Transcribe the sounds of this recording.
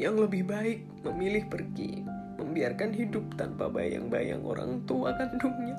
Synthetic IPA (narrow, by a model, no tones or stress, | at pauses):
jaŋləbɪhbaɪk̚məmilɪhpərɡḭ | məmbiarkanɦidʊp̚t̪anpabaja̰ŋbaja̰ŋʔo̰ɾa̰ŋt̪uakanduŋɲa